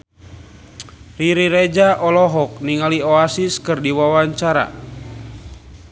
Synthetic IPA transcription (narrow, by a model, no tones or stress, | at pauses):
riɾiɾed͡ʒaʔɔlɔɦɔk̚niŋalioasiskɨrdiwawaɲt͡ʃaɾa̰